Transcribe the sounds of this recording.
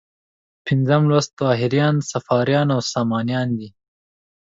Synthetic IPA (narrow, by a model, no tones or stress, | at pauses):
pɪnzamlwast̪wɑːɦɪɾjɑːnsafɑːɾjɑnawsɑːmɑːnjɑːnd̪i